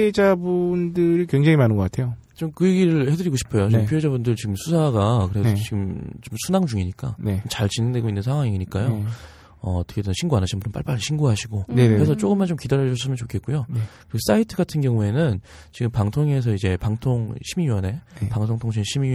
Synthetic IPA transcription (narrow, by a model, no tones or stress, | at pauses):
ed͡ʑabundɯɾikweŋd͡ʑeŋimanɯnɡʌk͈atʰe̞jo | t͡ɕomkɯjeɡiɾɯɭhe̞dɯɾiɡoɕʰi̥pʰʌjot͡ɕiɡɯmpʰoed͡ʑabundɯɭt͡ɕiɡɯmsʰusʰaɡakɯɾesnot͡ɕiɡɯmt͡ɕomsʰunaŋd͡ʑuŋiɲik͈a̰neomt͡ɕaɭt͡ɕinɯŋde̞ɡoinːɯnsʰaŋɦwaŋiiɲik͈ajo | ʌ̰ʌtʰɯ̥kʰedenɯnɕʰinɡuanaɕʰinmbunnp͈a̰ɭp͈aɾiɕʰinɡuɦaɕʰiɡonekɯɾesʰʌt͡ɕ͈oɡɯmːant͡ɕomkidaɾjʌd͡ʑʌs͈ɯmjʌnt͡ɕokʰe̞t̚k͈ujoekɯɾiɡos͈aitʰɯɡatʰɯnɡjʌŋue̞nɯn | t͡ɕiɡɯmpaŋtʰoŋe̞s̬ʰʌid͡ʑe̞paŋtʰoŋɕʰimiɥjʌne̞paŋsʰoŋtʰoŋɕʰinɕʰimi